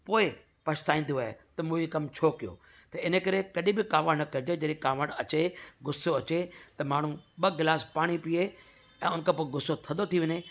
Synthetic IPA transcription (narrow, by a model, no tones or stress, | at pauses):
poːe | pɐʃt̪aːĩːn̆d̪oaːḛt̪ɐmũːikɐmt͡ɕʰoːkɪjo̰ː | t̪ɐɪnekɐɾekɐɗĩbɪkaːʋəɽnɐkɐɾɪd͡ʑed͡ʑɐɗĩkaːʋəɽɐt͡ɕeɡʊsoɐt͡ɕet̪ɐmaːɳ̤ũɓɐɡɪlaːspaːɽ̃ipie | ɛ̃ːʊnkʰeːpoːeɡʊsot̪ʰɐnd̪ot̪ʰiʋɐɲeː